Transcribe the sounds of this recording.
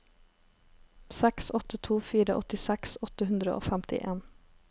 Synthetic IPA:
sɛksɔt̪ət̪ʰuːfiːɾəʔɔt̪ɪsɛksɔt̪əhʉnd̪ɾəʔo̰ːfæmt̪ɪ̰ʔeːn

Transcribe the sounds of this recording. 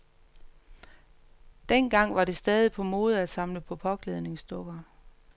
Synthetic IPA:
d̥enɡ̥ɑ̈ŋ̰ʋɑ̈ɾe̝sd̥ɛːð̞ˠipʰɒ̽moːð̞̩ˠæd̥sɑ̈mləpʰɒ̽pʰɒ̽ɡ̥leð̞ˠne̝ŋsd̥ɔ̽ɡ̥ɐ

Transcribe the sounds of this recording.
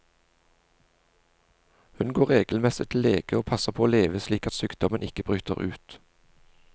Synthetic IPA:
hʉnɡoːʁeːɡl̩mɛsɪt̪ʰɪleːɡ̥əoːpʰɑsəpʰoːoːleːʋəsliːkɑt̪syːkd̪ɔmənɪkəbʁʉːt̪ə̰ʁʉ̰ːt̪

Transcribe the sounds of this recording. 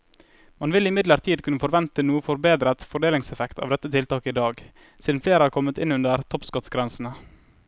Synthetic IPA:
mɑnʋɪlɪmɪd̪ləɾt̪ʰiːd̪kʉnːəfɔɾʋɛnt̪ənuːəfɔɾbeːd̪ɾət̪fɔɖeːlɪŋsɛfɛkt̪ʰɑ̰ʋd̪ɛt̪ːət̪ʰɪlt̪ɑːkəɪd̪ɑːɡ | siːd̪n̩fleːɾəhɑɾkʰɔmət̪ɪnʉnd̪əɾt̪ʰɔpskɔt̪sɡɾɛnsn̩ə

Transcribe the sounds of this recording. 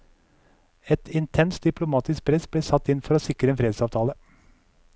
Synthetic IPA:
ɛt̪ʰɪnt̪ʰɛnst̪̚d̪ɪplʊmɑːt̪ɪsk̚pʰɾɛsb̥leːsɑt̪ːɪnfɔɾoːsɪkɾəenfɾeːd̪sɑːʋt̪ʰɑːlə

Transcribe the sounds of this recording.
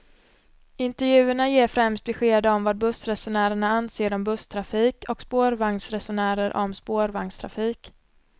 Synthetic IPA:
ɪnt̪ɛɾjʉ̟ːəɳajeːɾfɾɛmst̪̚bɛɧeːd̪əɔmvaːd̪̚bɵsɾɛsʊɳæːɾəɳaanseːɾɔmbɵst̪ʰɾafiːkʰɔkspoːɾvaŋsɾɛsʊɳæːɾəɾʔɔ̰mspoːɾvaŋst̪ʰɾa̰fiːk

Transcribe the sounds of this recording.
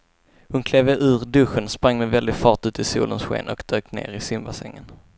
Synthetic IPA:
hʊnkʰleːvəʔʉ̟ːɾd̪ɵɧənspɾaŋːmɛvɛld̪ɪɡfɑːʈʉ̟ːt̪ɪsṵːlənsɧḛːnʔɔ̰kd̪̥øːknḛːɾɪsʏmbasɛ̰ŋːən

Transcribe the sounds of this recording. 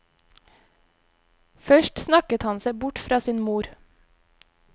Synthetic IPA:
fœʃʈsnɑkət̪hɑnseɪbʊʈfɾɑːsiːnmuːɾ

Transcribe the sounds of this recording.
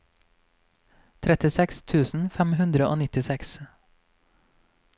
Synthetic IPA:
t̪ʰɾɛt̪ɪsɛkst̪ʰʉːsn̩fɛmhʉnd̪ɾəʔo̰ːnɪt̪ɪsɛks

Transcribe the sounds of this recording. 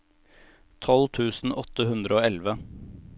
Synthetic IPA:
t̪ʰɔlt̪ʰʉːsn̩ʔɔt̪ːəhʉnd̪ɾəoːɛlʋə

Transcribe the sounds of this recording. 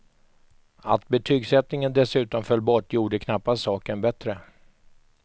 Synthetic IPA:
at̪̚bɛt̪ʰyːɡsɛt̪nɪŋənd̪ɛsʉ̟ːt̪ɔmfœlːbɔʈːjuːɖəkʰnapːassɑːkənbɛt̪ɾə

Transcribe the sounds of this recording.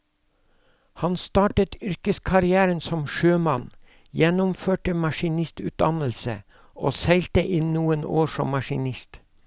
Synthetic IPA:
hɑnst̪ɑːʈət̪ʏɾkəskʰɑɾɪæːɾənsɔmʃøːmɑn | jɛnʊmføːʈəmɑʃɪnɪst̪ʉ̰ːt̪̚d̪ɑnəlsə̰ | oːsæɪlt̪əʔɪːnuːəno̰ːʃɔ̰mːɑʃɪnɪst̪

